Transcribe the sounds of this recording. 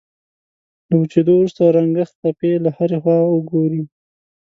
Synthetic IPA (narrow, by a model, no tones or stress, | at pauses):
lawut͡ʃed̪owɾust̪aɾaŋɡəxt̪apelahaɾexwɑwəɡoɾi